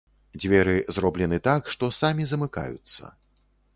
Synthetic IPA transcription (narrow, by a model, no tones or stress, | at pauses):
d͡zʲvʲɛɾɨzrɔblʲɛnɨt̪akʂt̪ɔsamʲizɐmɨka̰jṵt̪sːɐ̰